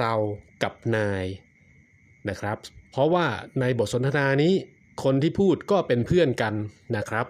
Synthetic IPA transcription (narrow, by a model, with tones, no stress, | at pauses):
ɾa˧wka˨˩p̚naː˧j | na˦˥kʰɾa˦˥p̚pʰːɾɔ˦˥waː˥˩na˧jbo˨˩t̪̚so˩˦nt̪ʰa˧naː˧niː˦˥ | kʰo˧nt̪ʰiː˥˩pʰuː˥˩t̪̚kɔː˥˩pe˧npʰɯ˥˩ənka˧nːa˦˥kʰɾa˦˥p̚